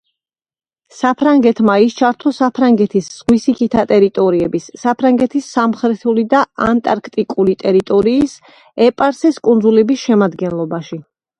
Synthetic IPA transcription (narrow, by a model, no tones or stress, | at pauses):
sapʰɾaŋɡɛt̪ʰmaist͡ʃʰaɾt̪ʰɔsapʰɾaŋɡɛt̪ʰisːʁwisikʰit̪ʰat̪ʼɛɾit̪ʼɔɾiɛbisːapʰɾaŋɡɛt̪ʰisːamχɾɛt̪ʰulid̪aant̪ʼaɾkʰt̪ʼikʼulit̪ʼɛɾit̪ʼɔɾiːs | ɛpʼaɾsɛskʼund̪zulɛbisʃɛmad̪ɡɛnlˠɔbaʃi